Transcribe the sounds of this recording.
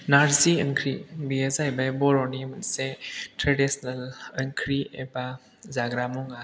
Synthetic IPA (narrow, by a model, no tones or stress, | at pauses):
naɾziəŋkʰɾibiezajbabɔɾɔnimɐnsetɾedisnɐləŋkʰɾiḛba | zaɡɾamɔŋa